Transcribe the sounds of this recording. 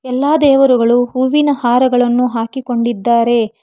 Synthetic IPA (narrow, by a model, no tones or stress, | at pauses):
ɛlːaːd̪ɛːʋɐɾuɡɐɭuhuʋinɐhaːɾɐɡɐɭɐnːuɦaːkiko̞ɳɖid̪ːaːɾe̞